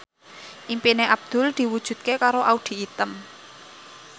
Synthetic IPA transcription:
ʔimpineʔab̚d̪̥ʊ̤ld̪̥i̤wud̥ʒ̥ṳt̪̚kekaɾoʔaud̪̥i̤ːt̪əm

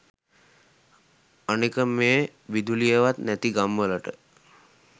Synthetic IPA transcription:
anikəmeːʋid̪ulijəʋat̪næt̪iɡamʋələʈə

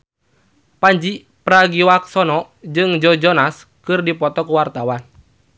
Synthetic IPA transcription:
paɲd͡ʒi | pɾaɡiwak̚sɔnɔ | d͡ʒɨŋd͡ʒɔd͡ʒɔnas | kɨrdipɔt̪ɔkuwart̪awan

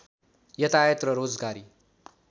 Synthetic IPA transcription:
jʌt̪ajət̪ɾʌɾoːd͡zɡaːɾi

